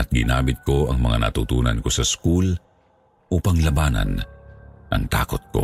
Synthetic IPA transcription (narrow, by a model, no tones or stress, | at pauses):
ʔɐt̪̚ɡɪnaːmɪt̪̚ko̞ɐŋmɐŋa̰nɐ̰t̪ut̪uːnɐnko̞sɐskul | ʔuːpɐŋlɐbaːnɐ̰n | ʔɐ̰ŋt̪aːko̞t̪̚ko̞̰